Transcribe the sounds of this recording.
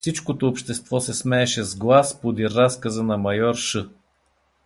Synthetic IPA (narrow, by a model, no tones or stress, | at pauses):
sit͡ʃkot̪oːpʃt̪ɛst̪vɔsɛsmɛːʃɛzɡlˠaspod̪iɾaskəzənɐmɐjɔɾʃɤ